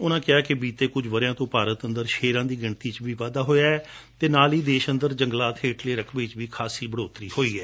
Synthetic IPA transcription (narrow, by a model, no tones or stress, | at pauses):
ʊnãːkɪaːkɪbiːt̪eːkʊd͡ʒʋəɾjãːt̪õːpaːɾət̪ənd̪əɾʃeːɾãːd̪iːɡəɳt̪iːt͡ʃbiːʋaːd̪aːɦoːjaːɛː | t̪eːnaːliːd̪eːʃənd̪əɾd͡ʒə̃ŋɡlaːt̪ʰeːʈleːɾəkʰʋet͡ʃbiːkʰaːsiːbəɽoːt̪ɾiːhoːiːɛː